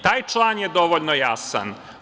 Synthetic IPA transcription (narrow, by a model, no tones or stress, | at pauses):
t̪aːjt͡ʃlˠaːnjed̪o̞ʋoʎnojasa̰n